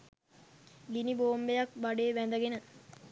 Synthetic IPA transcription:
ɡiniboːmbejak̚baɖeːʋænd̪əɡenə

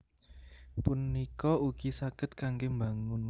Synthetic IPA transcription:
punikɔuɡisakət̪̚kaŋɡemba̤ŋʊn

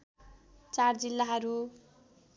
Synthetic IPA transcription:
t͡sard͡zilːaɦʌɾu

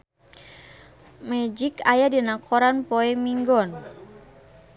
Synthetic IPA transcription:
mɛd͡ʒikajadinakoɾanpoɛmiŋɡɔn

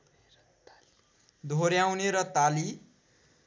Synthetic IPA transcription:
d̪ʱoɾjawneɾʌt̪ali

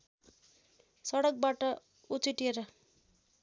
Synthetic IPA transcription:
sʌɽʌk̚baʈʌ | ut͡siʈieɾʌ

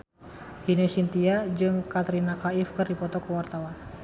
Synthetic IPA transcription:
hinɛsint̪iad͡ʒɨŋkat̪ɾinakaifkɨrdipɔt̪ɔkəwart̪awan

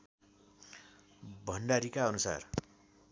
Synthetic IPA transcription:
bʱʌnɖaɾikaʌnusa̰r

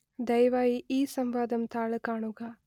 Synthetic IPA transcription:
d̪ɐjʋaːjiʔiːsɐmʋaːd̪ɐmt̪ʰaːɭɐkaːɳuɡaː

